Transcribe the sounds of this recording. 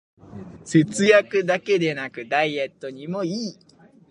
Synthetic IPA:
se̞t͡sɨjakɯ̟d̪ake̞d̪e̞nakɯ̟d̪aie̞t̪ːo̞ɲ̟imo̞iː

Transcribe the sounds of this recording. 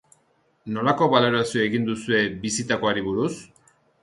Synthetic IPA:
no̞lako̞βalo̞ɾasioaeɣind̪usue̞bisit̪ako̞aɾiβuɾus

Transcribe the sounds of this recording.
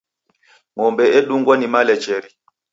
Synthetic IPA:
ŋɔmbɛɛɗuŋɡwanimalɛt͡ʃɛɾi

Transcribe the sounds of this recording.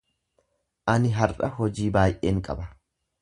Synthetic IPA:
ʔɐnɪɦɐɾʔɐhɔd͡ʒiːbaːjʔeːŋkʼɐbɐ

